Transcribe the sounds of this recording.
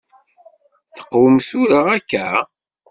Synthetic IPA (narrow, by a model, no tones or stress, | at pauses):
θə̥qːwəmθuɾaʁækːæ